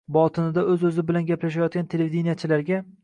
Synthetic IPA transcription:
bɒt̪ʰɪnɪd̪aɵzɵzɪbɪlanɡʲaplaʃ̬ajɒt̪̚kʲant̪ʰeleid̪inijat͡ʃʰɪlaɾɡʲa

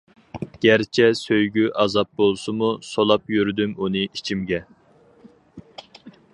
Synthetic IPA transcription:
ɡ̥ʲæɾt͡ʃʰɛsøjɡʲyʔɑzɑp̚bolˠsɨmusolˠɑpjyɾd̪ymunɨʔit͡ʃʰimɡʲɛ

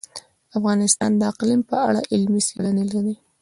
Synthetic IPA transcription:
afɣɑnɪst̪ɑ̰nd̪əaqlimpəaɽaʔɪlmiseɽanelaɾi

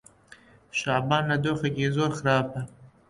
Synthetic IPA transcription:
ʃɑːbɑːnːad̪oxakezoːɾxaɾɑːpa

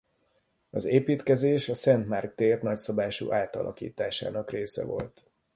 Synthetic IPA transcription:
ɒzeːpiːt̪kɛzeːʃɒsɛnt̪marɡ̚d̪eːrnɒcsɒbaːʃṵːʔaːlt̪ɒ̰lʔɒ̰kḭːt̪aːʃa̰ːnɒkreːsɛ̰vo̞̰lt̪

